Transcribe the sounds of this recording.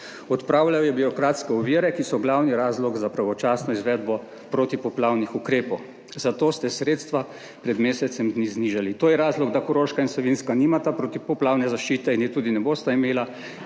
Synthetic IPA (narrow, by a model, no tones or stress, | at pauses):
ɔt̪pɾaːwlawjɛbiɾɔkɾaːt̪skɛɔʋiːɾɛkisɔɡlawniɾaːzlɔɡzapɾaʋɔt͡ʃaːsnɔizʋɛd̪bɔ | pɾot̪ipɔplawnixukɾeːpɔw | zat̪oːst̪ɛsɾeːt̪st̪ʋa | pɾɛd̪meːsɛt̪sɛmd̪nizniːʒalit̪oːjɛɾaːzlɔɡd̪akɔɾoːʃkainslɔʋinskaniːmat̪apɾot̪ipɔplaːwnɛzaʃt͡ʃiːt̪ɛinjɛt̪uːd̪inɛboːst̪aimeːla